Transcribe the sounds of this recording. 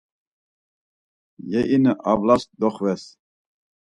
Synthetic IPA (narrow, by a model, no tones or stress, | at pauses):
jɛʔinəʔavlasd̪ɔχvɛs